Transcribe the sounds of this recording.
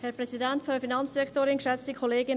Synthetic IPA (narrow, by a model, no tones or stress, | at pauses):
hɛɐpʁ̥ɛzidɛntfynfinɑnt͡sd̥ɛktoːɾɪnʃɛt͡stikʰoleːɡɪn